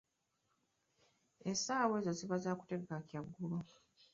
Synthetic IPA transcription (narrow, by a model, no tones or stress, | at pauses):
esaːwe̞ːzoziβazaːku̥te̞ɡekakjaɡːulo